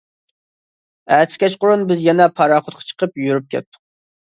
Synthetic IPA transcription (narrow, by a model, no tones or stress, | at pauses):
ɛskʲɛt͡ʃqʊɾunbɪzjɛnɛpʰɑɾɑːχʊt̪̚qʰɑ̥t͡ʃʰə̥qəpjyɾyp̚kʲʰɛ̰t̪ʰːʊ̥q̚